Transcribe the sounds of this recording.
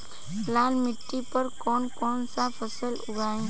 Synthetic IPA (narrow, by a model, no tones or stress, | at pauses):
laːlmɪʈːipəɾkɔːnkɔːnsapʰəsəlʊɡaːẽ